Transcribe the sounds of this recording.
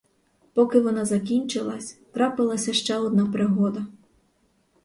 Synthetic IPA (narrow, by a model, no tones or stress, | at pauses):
pɔkɪʋɔnɑzɐkʲinʲt͡ʃɪlˠɐsʲt̪ɾɑpɪlˠɐsʲɐʃt͡ʃɛɔd̪̚nɑpɾɪɦɔd̪ɐ